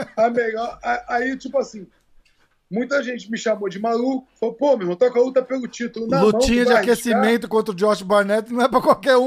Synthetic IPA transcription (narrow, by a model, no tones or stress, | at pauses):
ameʎɔaait͡ʃipʊasĩ | mũj̃t̪ɐʒẽnt͡ʃɪmɪʃamod͡ʒɪmalukʊ̥falpomemõt̪oakalut̪ɐpelʊt͡ʃit̪ʊlʊnallumɐ̃t͡ʃĩɲɐd͡ʒɪakesimẽnt̪ʊkõnt̪ɾʊd͡ʒɔʃbaɾnɛt͡ʃnɐ̃w̃ɛpɾɐkwawkɛɾũ